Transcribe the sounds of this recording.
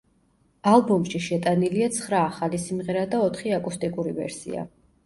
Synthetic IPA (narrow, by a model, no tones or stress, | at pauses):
alˠbumʃiʃɛt̪ʼaniliat̪sʰχɾaːχalisimʁɛɾad̪aɔt̪ʰχiakʼust̪ʼikʼuɾivɛ̰ɾsḭa̰